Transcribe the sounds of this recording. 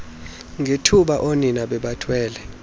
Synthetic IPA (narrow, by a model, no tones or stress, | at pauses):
ŋʱetʰuɓaʔoninaɓɛɓatʰwɛːlɛ